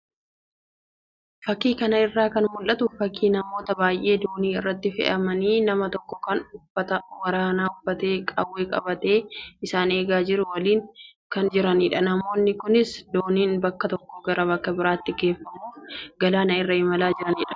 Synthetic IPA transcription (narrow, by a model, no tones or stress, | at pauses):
fɐkːiːkɐnɐɪrːaːkɐnmʊlʔɐt̪ʊfɐkʰːiːnɐmo̞ːt̪ɐbaːjʔe̞ːd̪o̞ːniːɪrːɐt̪ːɪfɛ̰ʔɐmɐniːnɐmɐt̪ɔkːɔ̥kɐnʊfːɐt̪ɐwɐɾaːnaːʊfːɐt̪e̞ːkʼɐ̰wːeːkʼɐ̰bɐt̪e̞ːɪsaːne̞ːɡaːd͡ʒɪɾʊwɐliːŋkɐnd͡ʒɪɾɐniːᶑɐnɐmo̞ːnːɪkʊnɪsd̪o̞ːniːnbɐkːɐt̪ɔkːɔɡɐɾɐbɐkːɐbɪɾaːt̪ːɪɡe̞ːfːɐmuːfɡɐlaːnɐɪrːɐɪmɐlaːd͡ʒɪɾɐniːᶑɐ̥